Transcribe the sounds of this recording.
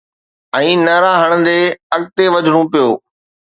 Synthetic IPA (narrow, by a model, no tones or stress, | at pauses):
ɛ̃ːnɐɾaːɦəɽ̃ənd̪eːɐɡ̚t̪eʋɐd͡ʑʱɽ̃õpɪjoː